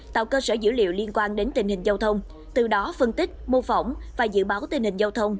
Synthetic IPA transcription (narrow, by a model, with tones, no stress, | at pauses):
t̪a̰ː˧˨wkəː˧səː˧˩zɨ̰˧˥lḭ˧˨əwli˧ənkwaː˧nɗe˨˦nt̪ï˨˩ŋ̟hï˨˩ŋ̟za˧wt̪ʰə˧wŋ͡m | t̪ɨ˨˩ɗɔ˨˦fə˧nt̪ï˦˥k̟̚mo˧fə˧˩wŋ͡mvaː˨˩zɨ̰˧˨ɓaː˨˦wt̪ï˨˩ŋ̟hï˨˩ŋ̟zaː˧wt̪ʰə˧wŋ͡m